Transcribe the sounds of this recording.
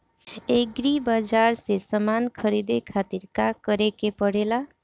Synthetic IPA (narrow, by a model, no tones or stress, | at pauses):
eɡɾibad͡ʒaɾsesəmankʰəɾid̪ekʰat̪iɾkakəɾekepəɽela